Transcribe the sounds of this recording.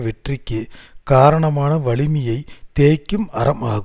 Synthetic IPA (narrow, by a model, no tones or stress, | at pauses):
ʋɛʈrikʲːɯkaːɾɐɳɐmaːnɐʋɐɭɪmijɐɪt̪eːkʲːɯmɐrɐmaːɣɯ